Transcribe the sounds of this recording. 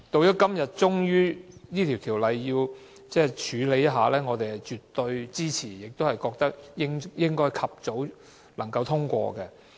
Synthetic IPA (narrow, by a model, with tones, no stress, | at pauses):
t̪o˧wjɔː˨˥kɐ˥mjɐ˨t̚t͡ʃʊ˥ŋjyː˥niː˥t̪ʰiː˨˩wt̪ʰiː˨˩wlɐ˨jːiː˧w | t͡sɛː˥˩t͡ʃʰyː˨˧˥le˨˥jɐ˥t̚ɦaː˨lɛː˥ŋɔː˨˧t̪e˨jhɐ˨jt͡ʃyː˨t̪ːɵ˧ɥt͡siː˥t͡sʰiː˨˩jɪ˨k̚t̪o˥hɐ˨jkɔː˧k̚t̪ɐ˥k̚jɪ˥ŋjɪ˥ŋkɔː˥jkʰɐ˨p̚t͡so˨˥w | lɐ˨˩ŋkɐ˧wt̪ʰʊ˥ŋkʷɔ̰ː˧kɛ˧